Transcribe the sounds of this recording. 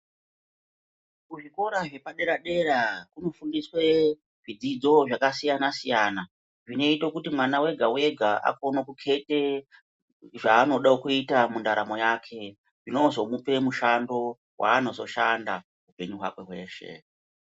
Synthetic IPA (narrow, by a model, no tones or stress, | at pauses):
kuʐiko̞ɾaʐe̞paɗe̞ɾaɗe̞ɾakuno̞fundiswe̞ | ʐid͡zid͡zo̞ʐakasijanasijana | ʐine̞itokutimwanawe̞ɡʱawe̞ɡʱaʔa̰ko̞nokukʰe̞te̞ | ʐaːno̞ɗakuitamundaɾamo̞jakʰe̞ | ʐino̞zo̞mupe̞muʃando̞ | wʔa̰ːno̞zo̞ʃanda̰ | ɦupe̞ɲuɦwa̰kwe̞ɦwe̞̰ːʃe̞̰